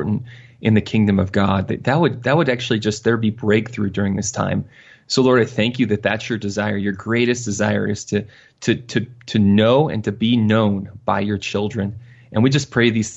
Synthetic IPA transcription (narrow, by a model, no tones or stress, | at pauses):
ɹʔn̩tʔɨ̃nðɨkʰɪ̃ŋdɨ̃mʌvɡɑd̪̚ðɨðɨt̚wəd̪̚ðɨt̚wəɾæk̚t͡ʃʉl̩ˠid͡ʒʌs̚ðə˞bibɹeɪk̚θɹʉdʊɹɪ̃ŋðɪstʰã̰ɪ̃m | soʊlɔɹɾaɪθæ̃ŋkjɨðɨt̪̚ðɨtsjə˞dɨzaɪə˞jə˞ɡɹeɪɾɨsd̥ɨzaɪə̰˞ɨz̥tʰɨ | tʰɨɾʰɨtʰɨnoʊɨ̰̃ntʰɨbinõʊ̃nb̥aɪjə˞t͡ʃʰɪlˠdɹɨ̃n | ʔɨ̃nwid͡ʒʌspʰɹ̥eɪðiz̥